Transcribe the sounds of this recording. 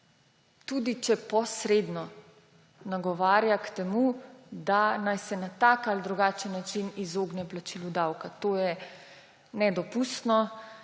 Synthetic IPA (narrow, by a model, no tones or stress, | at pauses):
t̪ud̪it͡ʃɛpɔsɾed̪nɔ | naɡɔʋaːɾjakt̪ɛmud̪anajsɛnat̪akald̪ɾuɡaːt͡ʃənːat͡ʃinizoːɡnɛplat͡ʃilud̪awkat̪oːjɛ | nɛd̪ɔpust̪nɔ